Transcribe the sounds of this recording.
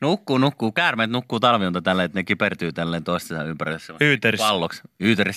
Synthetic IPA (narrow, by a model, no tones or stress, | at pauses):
nukːuːnukːuːkæːrmeːˑt̪nukːuːt̪ɑlʋiount̪ɑt̪ælːeet̪nekipert̪yːt̪ælːeːnt̪oˑist̪isɑ̰ympærilːesseyːt̪æriɑlːoksyːt̪æris